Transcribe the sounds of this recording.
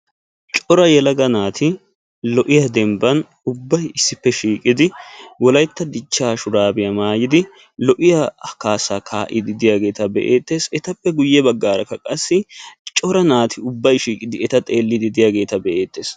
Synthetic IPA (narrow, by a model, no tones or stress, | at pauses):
t͡ʃʼɔɾɐjɛlɐɡɐnaːt̪ʰɪ | lɔʔɪjɐd̪ɛmbɐn | ʊbːɐjɪsːɪpːɛʃiːkʼɪd̪ɪwɔlɐjt̪ːɐd̪ɪt͡ʃːaːʃʊɾaːbɪjɐmaːjɪd̪ɪ | lɔʔɪjɐkaːsaːkʰaːʔɪd̪ɪd̪ɪjaːɡe̞ːt̪ɐbɛ̰ʔḛːt̪ːe̞ːsɛt̪ɐpːɛɡʊjːɛbɐɡːaːɾɐkːɐkʼɐsːɪt͡ʃʼɔɾɐnaːt̪ʰɪʊbːɐjʃiːkʼɪd̪ɪɛt̪ɐt̪ʼeːlːɪd̪ɪd̪ɪjaːɡe̞ːt̪ɐbɛʔeːt̪ːe̞ːs